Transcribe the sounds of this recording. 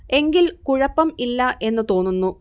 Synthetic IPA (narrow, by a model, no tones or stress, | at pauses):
e̞ŋɡilkuɻɐpːɐmilːɐʔe̞nːɨt̪o̞ːnːunːu